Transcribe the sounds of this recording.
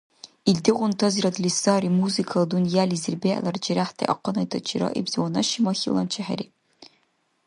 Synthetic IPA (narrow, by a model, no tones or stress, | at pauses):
ildɨʁʷʊnt̪ʰɐziɾɐdlisɑːɾiːmuzikʰɐlˠdunjaːlizɨrbeɐ̰lɐrd͡ʒiɾaħt̪ʰḛʔɐ̰qənɐtʰɐt͡ʃʰiɾɐ̰ʔḭbz̥ɨwɔnɐʃimɐxḭlˠɐnt͡ʃʰɛħɛ̰ɾḭː